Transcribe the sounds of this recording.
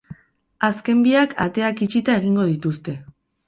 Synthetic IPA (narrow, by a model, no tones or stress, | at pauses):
aske̞mbiakʰa̰t̪e̞akit͡ʃit̪ae̞ɣ̞iŋɡo̞ð̞it̪ust̪e̞